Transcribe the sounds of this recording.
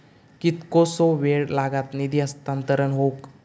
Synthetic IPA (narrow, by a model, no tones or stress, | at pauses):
kit̪kosoʋeɽlaɡat̪nid̪iəst̪ant̪əɾənɦok